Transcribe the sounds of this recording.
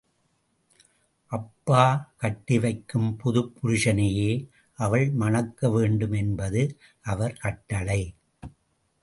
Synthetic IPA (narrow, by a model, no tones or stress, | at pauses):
ʔɐpːaːkɐʈːɪʋɐɪkːɯmpʊðʊpːʊɾɪʂɐnɐjeː | ʔɐʋɐɭmɐnɐkːɐʋeːɳɖɯmɛnbɐðɯ | ʔɐʋɐɾkɐʈːɐɭɐɪ